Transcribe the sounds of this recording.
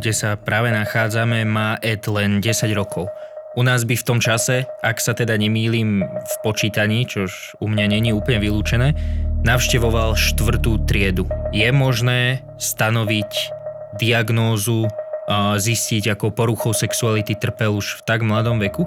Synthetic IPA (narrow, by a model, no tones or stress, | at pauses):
ɡɟɛsapɾaːʋɛnaxaːd͡zamɛmaːʔɛt̪lɛnɟɛsaɟɾɔkʰɔʊunaːzbift̪ɔmt͡ʃasɛaksat̪ɛd̪aɲɛmiːliːmfpɔt͡ʃiːt̪aɲiːt͡ʃɔʃ | umɲaɲɛɲiuːpl̩ɲɛʋiluːt͡ʃɛnɛːnaʊʃcɛʋɔʋalʃt̪ʋr̩t̪uːt̪ɾɪɛd̪ujɛmɔʒnɛː | st̪anɔʋic | d̪iaɡnɔːzu | zisciɟakɔpɔɾuxɔʊsɛksualit̪it̪r̩pɛluʃft̪aɡmlad̪ɔmʋɛku